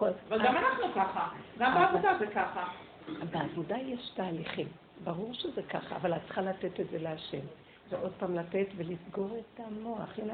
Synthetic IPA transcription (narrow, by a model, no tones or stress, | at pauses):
koavalɡamanaχnukaχaɡambeavod̪azekaχa | beavodajeʃtaːliχim | baʁuʁʃezekaχaa̰valatt͡sχalate̞te̞tze̞leaʃe̞m | veʔo̞d̪̚pamlate̞tvelisɡo̞ʁetamo̞aχin